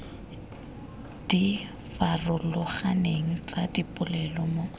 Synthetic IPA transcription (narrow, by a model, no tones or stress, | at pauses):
d̥i | farʊlʊχaneŋ̩t͡sʼadipʼʊlɛlɔmo